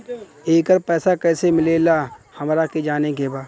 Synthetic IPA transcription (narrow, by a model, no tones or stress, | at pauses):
eːkəɾpɛːsakɛːsemɪlelaːhɐmɾaked͡ʒaːnekebaː